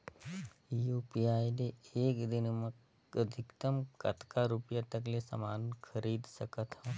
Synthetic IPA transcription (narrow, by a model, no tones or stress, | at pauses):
juːpiaːjneeːkd̪ɪnmə | əd̪ʱɪkt̪əmkɐ̰t̪kaɾʊpjat̪ɐklesə̰maːnkʰɐɾiːd̪səkət̪ɦɛː